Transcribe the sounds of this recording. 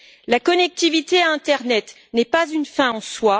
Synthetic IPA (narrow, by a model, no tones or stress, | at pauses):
lakɔnɛk̚t̪ivit̪eaɛ̃t̪ɛʁnɛt̪ | nɛpazynfɛ̃ɑ̃swa